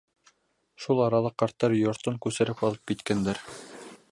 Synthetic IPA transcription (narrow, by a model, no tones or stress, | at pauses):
ʃulˠɑɾɑlˠɤqːɑɾt̪ːɑɾjŏɾt̪ɤŋkʉsɘ̆ɾɘpɑlˠɤp̚kit̪kænd̪æɾ